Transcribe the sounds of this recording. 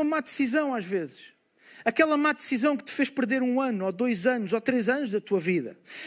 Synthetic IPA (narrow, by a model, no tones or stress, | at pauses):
ɐmad̪sizɐ̃w̃aʒvezɨʃ | ɐkɛlˠɐmad̪ɨsizɐ̃w̃kɨ̥t̪ɨ̥feʃpɨɾðeɾũɐnuoðojzɐnuzot̪ɾezɐnuʒðɐt̪uɐviðɐ̰